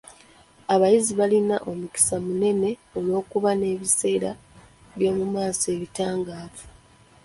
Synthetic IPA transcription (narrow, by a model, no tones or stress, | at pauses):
aβajiziβalinaʔo̞muki̥samune̞ne̞o̞lo̞ːkuβane̞ːβise̞ːɾa | βjo̞ːmumaːse̞βitaːŋɡaːvu